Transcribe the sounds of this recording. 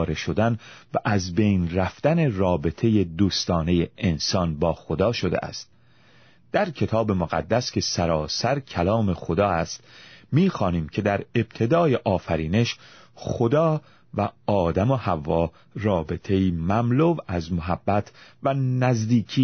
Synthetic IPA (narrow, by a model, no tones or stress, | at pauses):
ɾeʃo̞d̪ænvæʔæzbe̞jnræft̪æne̞rɒːbe̞t̪ʰe̞jed̪uːst̪ɒːne̞jeʔːnsɒnbɒːxo̞d̪ɒːʃo̞d̪ḛʔæ̰st̪̚ | d̪̥æɾcʰe̞t̪ʰɒːbe̞moɣæ̰d̪ːæskʰʲe̞sæɾɒːsæɾkʰælɒːme̞xo̞d̪ɒːæst̪miːxɒːniːmcʰe̞d̪æɾe̞b̥̚t̪ʰe̞d̪ɒːjeʔɒːfæɾiːne̞ʃχo̞d̪ɒː | væɒːd̪æmohævːɒː | rɒːbe̞t̪ʰe̞iːmæmlovæzmoɦæbːæt̪ʰvænæzd̪iːkʰiː